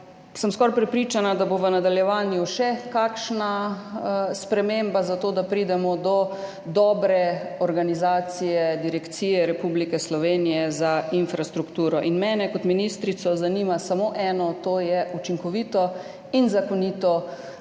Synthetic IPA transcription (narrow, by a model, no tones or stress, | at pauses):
səmskɔɾpɾɛpɾiːt͡ʃanad̪aboʋənad̪aljɛʋaːnjuʃɛkaːkʃna | spɾɛmembazat̪oːd̪apɾiːd̪ɛmɔd̪ɔ | d̪ɔːbɾɛɔɾɡanizaːt̪sijɛd̪iɾɛkt̪siːjɛɾɛpublikɛslɔʋenijɛzainfɾast̪ɾukt̪uːɾɔʔinmɛːnɛkɔt̪minist̪ɾit̪sɔzaniːmasamoʔɛːnɔt̪oːjɛut͡ʃiŋkɔʋiːt̪ɔ | inzakɔniːt̪ɔ